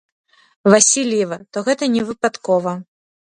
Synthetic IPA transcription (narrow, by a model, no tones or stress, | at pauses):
vasʲilʲjɛvɐt̪ɔɣɛt̪ɐnʲɛvɨpat̪kɔvɐ